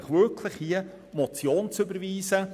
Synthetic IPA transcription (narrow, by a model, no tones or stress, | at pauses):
χʋʏɾkʰlɪχhiə | mɔt͡sjoːnt͡sʏbəɾviːsə